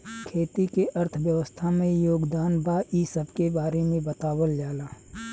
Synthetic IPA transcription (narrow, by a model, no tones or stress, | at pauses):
kʰeːt̪ikeʔəɾt̪ʰəʋjəʋəst̪ʰamẽjoːɡd̪aːnbaːʔisəbkebaːɾemẽbət̪aːwəljaːlaː